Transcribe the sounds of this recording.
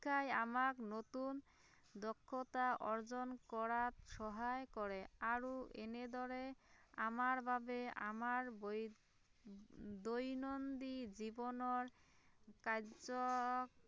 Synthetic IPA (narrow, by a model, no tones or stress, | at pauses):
kʰajamaknot̪un | d̪ɔkʰːot̪aʔɔɾd͡ʑonkɔɾat̪ʃɔɦajkɔɾeaɾoʔḛned̪ɔɾeamaɾbʱabea̰maɾb | d̪ojnond̪id͡ʑibɔnɔɾ | kad͡ʑok